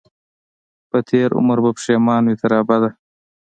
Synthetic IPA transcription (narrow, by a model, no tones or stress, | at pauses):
pət̪ʰeːɾʊ̰məɾbɐpʂeːmɑːnwit̪ʰɐɾɑːbad̪a